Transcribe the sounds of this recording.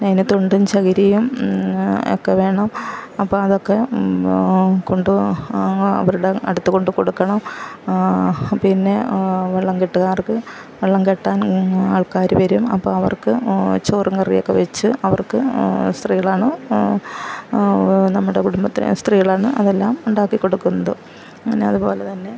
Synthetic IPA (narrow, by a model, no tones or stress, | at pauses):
nɐjnɐt̪ːoɳɖumt͡ɕɐɣɐɾijum | o̰kːeʋe̞ːɳɐmɐpːo̞ːɐðo̞kːe̞ | ko̞ɳɖu | ɐ̰ʋɐɾuɽeɐ̰ɽut̪ːɨko̞ɳɖɨko̞ɽukːɐɳɐm | pinːe̞ʋeɭːɐŋkiʈːuɣaːrkɨ | ʋeɭːɐŋkeʈːaːnaːɭkaːɾuʋɐɾumɐ̰pːo̰ːɐʋɐ̰rkɨt͡ɕoːriŋkɐrijokːe̞ʋet͡ɕːɨʔɐʋɐrkɨst̪riːɣɐɭaːɳɨ | nɐmːuɽekuɽumbɐt̪ːḭst̪riːɐɭaːɳɨʔɐðelːaːmuɳɖaːkːikːo̞ɽukːunːɐðɨ | ɐneɐðupo̞ːlet̪ɐnːe̞